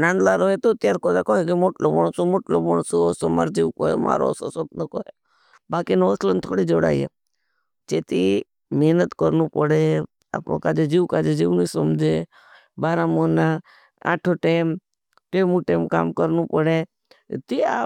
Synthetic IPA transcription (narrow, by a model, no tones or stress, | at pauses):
naːnd̪laɾoɦet̪ot̪jaːɾkoːd̪akoːɦekimoːʈlomɔɳsomoːʈlobəɳsosoma̰ɾd͡ʒiːʋkoːɦḛma̰ːɾo̰sosob̚nokoɦe | baːkinoslənt̪ʰoːɽid͡ʒoːɽa̰ːijḛ | t͡ʃeːt̪i | meːnət̪kəɾnupəɽe | a̰ːpo̰kaːd͡ʒed͡ʒiːʋkaːd͡ʒed͡ʒiːʋnisəmd͡ʒe | baːɾamoːna | a̰ːʈʰoʈeːm | ʈeːmuʈeːmka̰ːmkəɾnupəɽe | t̪ia